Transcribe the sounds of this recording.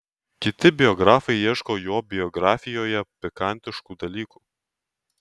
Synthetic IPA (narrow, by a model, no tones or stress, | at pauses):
kʲɪt̪ʲɪbʲɪɔɡɾɑːfɐɪiɛʃkoːjuɔbʲɪɔɡɾɑːfʲɪjoːjɛpʲɪkɐˑnʲt̪ʲɪʃkuːd̪ɐlʲiːkuː